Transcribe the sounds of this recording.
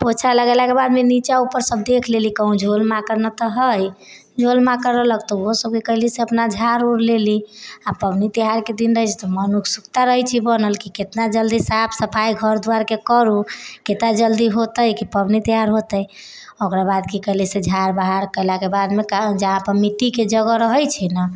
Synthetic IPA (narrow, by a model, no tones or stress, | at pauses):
pot͡ʃʰaləɡɛlakebad̪menit͡ʃaupəɾsəb̚d̪ekʰlelikəɦũd͡ʒʱolmakəɾnət̪əɦəj | d͡ʒʱolmakəɾələkt̪ɔosəb̚kekəɦliseəpnad͡ʒʱaɾuɾleliapəbnit̪iɦaɾked̪inɾəɦjt͡ʃʰt̪ɔmənukʰsukt̪aɾəɦɛt͡ʃʰibənəlkiket̪nad͡ʒəld̪isapʰsəpʰajɡʱəɾd̪uaɾkekəɾuket̪nad͡ʒəld̪iɦot̪əjkipəbnit̪iɦaɾɦot̪əj | okɾabad̪kikəɦlised͡ʒʱaɾbaɦaɾkəjlakebad̪mekad͡ʒaãpəmit̪iked͡ʒəɡɾəɦəjt͡ʃʰɛnə